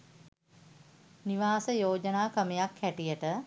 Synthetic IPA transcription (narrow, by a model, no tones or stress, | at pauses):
niʋaːsəjoːd͡ʒənaːkəmejakːæʈijəʈə